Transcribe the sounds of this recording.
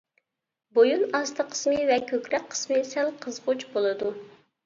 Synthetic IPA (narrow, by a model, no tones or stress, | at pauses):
bojunɑst̪ʰəqʰə̥smɨvɛkʲʰøkʲɾɛk̚ʲqʰːə̥smɨsælˠqʰəzʁʊt͡ʃbolˠɨd̪u